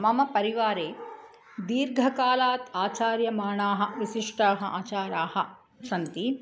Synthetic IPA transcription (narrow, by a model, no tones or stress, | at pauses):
mɐmɐpɐɾiʋaːɾeː | d̪iːɾɡʱɐkaːlaːt̪aːt͡ʃaːɾjɐmaːɳaːɦɐ̆ʋiʃiʂʈaːɦɐ̆ʔa̰ːt͡ʃaːɾaːhɐ̆ | sɐnt̪i